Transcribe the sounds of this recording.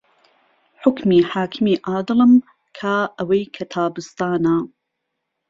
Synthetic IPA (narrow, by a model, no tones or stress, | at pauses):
ħʊkmiːħaːkʰɨmiːʔaːd̪ɨlɨm | kʰaːʔɐwɐjkʰɐt̪ʰaːbɨst̪aːnaː